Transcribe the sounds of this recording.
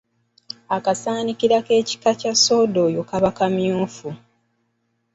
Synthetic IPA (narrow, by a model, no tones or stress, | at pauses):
akasaːnikiɾake̞ːci̥kacaso̞ːdo̞jokaβakamjuːfu